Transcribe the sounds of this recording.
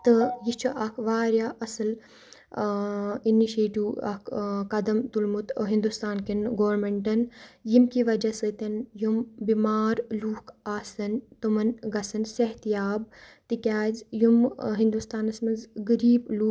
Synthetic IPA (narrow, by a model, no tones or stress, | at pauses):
t̪ɨjit͡ʃʰɐʔɐkʰʋaːɾjaːʔɐsɐl | iniʃeːʈiwɐ̰kʰkɐd̪ɐmt̪ulmut̪ɦind̪ust̪aːnkinɡoːʋɾmeɳʈɐnjimkiːʋɐd͡ʒɐsɨt̪ɐnjumbimaːɾluːkʰaːsɐnt̪umɐnɡɐsɐnsɐɦt̪ijaːb̚t̪ikʲaːzjumɦind̪ust̪aːnɐsmɐnzɡɐɾiːbluː